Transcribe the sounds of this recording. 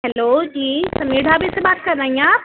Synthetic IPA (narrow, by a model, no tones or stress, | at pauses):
ɦɛloːd͡ʑiːsɐmeːɽ̤ʱabisebaːt̪̚kɐɾnaːĩãː